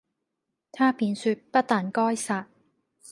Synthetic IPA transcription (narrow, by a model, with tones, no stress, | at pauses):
t̪ʰaː˥piː˨nsyː˧t̚pɐ˥t̚t̪aː˨nkɔː˥jsaː˧t̚